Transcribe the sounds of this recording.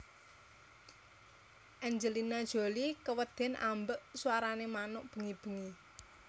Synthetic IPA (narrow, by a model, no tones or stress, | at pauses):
ʔɛɲd͡ʒəlinad̥ʒ̥o̤likəwəd̪̥ɛ̤nʔa̰mbəʔsuwaɾanemanʊʔb̥ə̤ŋib̥ə̤ŋi